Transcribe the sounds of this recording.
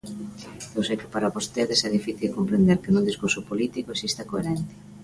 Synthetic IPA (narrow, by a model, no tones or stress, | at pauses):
ewsejkɪpaɾaβost̪eðɪsɛðifiθilkompɾend̪eɾkɪnuðiskuɾsʊpolit̪ikoesist̪akoḛɾɛnt̪ɪ̥